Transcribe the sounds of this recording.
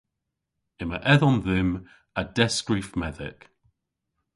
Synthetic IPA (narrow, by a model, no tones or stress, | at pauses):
ɪməʔɛðɔ̃nðɪm | əd̥ɛskɹifmɛðɪ̰k